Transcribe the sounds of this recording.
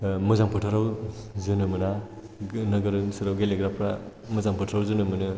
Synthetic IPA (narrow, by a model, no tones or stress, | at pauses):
mɯzaŋpʰɯtʰɯɾawzɯnɯmɯna | nɯɡɯɾɯnsɯɾawɡeleɡɾapʰɾa | mɯzaŋpʰɔtʰɔɾawzɯnɯmɯnɯ